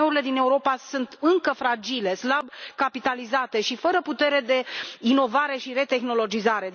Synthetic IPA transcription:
euɾile̞d̪ine̞uɾo̞pasunt̪ɨŋkəfɾad͡ʒile̞slabkapit̪alizat̪e̞ʃifəɾəput̪e̞ɾe̞d̪e̞ino̞vaɾe̞ʃiɾe̞t̪e̞xno̞lo̞d͡ʒizaɾe̞

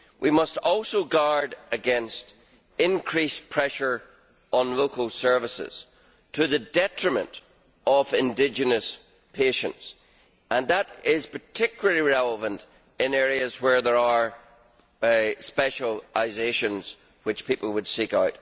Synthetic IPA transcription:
wʔimʌstɔlˠsoɡaɹdəɡɛ̃nst | ɪ̃nkʰɹ̥ispʰɹ̥ɛʃə˞ | ə̃nlokəlˠsɜ˞vəsɪ̰z̥ | tʰəðɨdɛt͡ʃɹ̥əmə̃nt | ʌvɪ̃ndɪd͡ʒɨnəs | pʰeʃə̰̃nts | ə̃nðəɾɪz̥pʰə˞tʰɪkjl̩ˠə˞lˠiɹɛlˠəvə̃nt | ɪ̃nɛɹiɨzwə˞ðə˞ə˞ | spɛʃəlˠaɪzeʃə̃nz̥ | wɨt͡ʃpʰipl̩ˠwəd̥sikaʊt̚

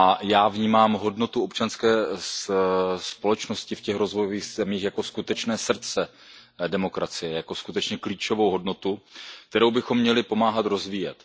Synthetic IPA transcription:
ajaːvɲiːmaːmɦo̞dno̞t̪uo̞pt͡ʃanskɛː | spo̞lɛt͡ʃno̞scɪfcɛxɾo̞zvojoviːxzɛmiːxjako̞skut̪ɛt͡ʃnɛːsr̩t̪t͡sɛ | dɛmo̞kɾat͡sɪjɛjako̞skut̪ɛt͡ʃɲɛkliːt͡ʃo̞vo̞wɦo̞dno̞t̪uk̚t̪ɛɾowbɪxo̞mːɲɛlɪpo̞maːɦat̪ɾo̞zviːjɛt̪

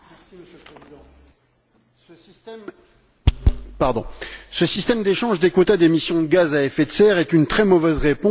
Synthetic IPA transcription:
siməsjølpχezid̪ɑ̃ | sə | t̪ | paʁd̪ɔ̰̃səsist̪ɛmd̪eʃɑ̃ʒd̪ekot̪ad̪emisjɔ̃d̪əɡazaɛfɛt̪sɛʁɛt̪ynt̪χɛmɔvɛzʁepɔ̃

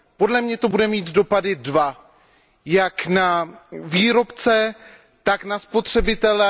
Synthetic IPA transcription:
po̞dlɛmɲɛt̪o̞budɛmiːt̪do̞padɪdva | jaknaviːɾo̞pt͡sɛ | t̪aknaspo̞t̪r̝̥ɛbɪt̪ɛlɛ

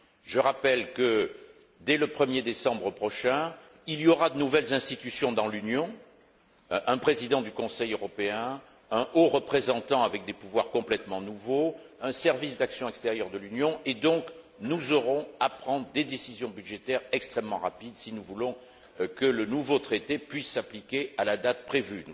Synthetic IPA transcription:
ʒəʁapɛlkə | d̪ɛləpχəmjed̪esɑ̃bʁəpχɔʃɛ̃ | ilijɔʁad̪ənuvɛlzɛ̃st̪it̪ysjɔ̃d̪ɑ̃lynjɔ̃ | ʔɛ̃pχezid̪ɑ̃d̪ykɔ̃sɛjøʁɔpeɛ̃ | ɛ̃ʔoʁəpχezɑ̃t̪ɑ̃avɛk̚d̪epuvwaʁkɔ̃plɛt̪mɑ̃nuvoɛ̃sɛʁvisd̪aksjɔ̃ɛkst̪eʁjœʁd̪əlynjɔ̃ed̪ɔ̃k | nuzɔʁɔ̃apχɑ̃d̪ʁəd̪ed̪esizjɔ̃byd̪ʒet̪ɛʁɛkst̪χɛmːɑ̃ʁapid̪sinuvulɔ̃ | kələnuvot̪χet̪epɥisːaplikʲeʔalad̪at̪̚pχevyn

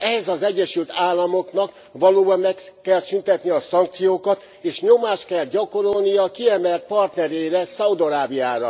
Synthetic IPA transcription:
ɛɦɛzɒzɛɟːɛʃylt̪aːlːɒmo̞knɒk | ʋɒloːbɒmːɛkːɛlsynt̪ɛt̪niɒsɒŋk̚t̪sijoːkɒt̪ | eːʃɲo̞maːʃkɛlɟɒko̞ɾolnijɒkiɛmɛlt̪̚pɒrt̪nɛɾeːɾɛsɒud̪oɾaːbijaːɾɒ

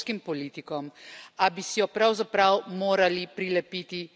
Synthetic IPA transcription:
kimpɔliːt̪ikɔmabisijɔpɾawzapɾawmoːɾalipɾilɛpiːt̪i

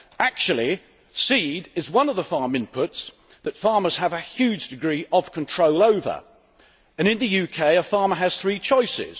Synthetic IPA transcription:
ak̚t͡ʃul̩ˠi | siːdɪzwʌ̃nʌvðəfɑɹmɪ̃mpʰʊts | ðətfɑɹməz̥əvəhjʉːd͡ʒdɪɡɹiʔəv̥kʰə̃ntʰɹ̥oʊlˠəʊvə̰ɹ | ɨ̃nɨ̃nðɨjʉːkʰeɪəfɑɹməəz̥θɹiːt͡ʃʰɔɪsɪ̰z̥

